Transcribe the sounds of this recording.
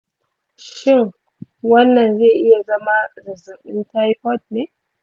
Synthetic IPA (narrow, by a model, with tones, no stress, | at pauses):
ʃɪ˦ŋ | wɐ˦nːɐ˨nzeː˦˨ʔɪ˦ja˨zɐ˦ma˦zɪ˨zʊ˨ɗɪ˦nta˦jpɔ˦t̚neː˨˦